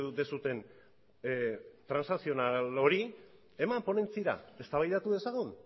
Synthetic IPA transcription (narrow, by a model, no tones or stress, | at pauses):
ut̪e̞sut̪e̞n | t̪ɾansnasio̞nalo̞ɾi | e̞mampo̞ne̞nt͡siɾa̰e̞st̪aβajðat̪uðe̞saɣ̞un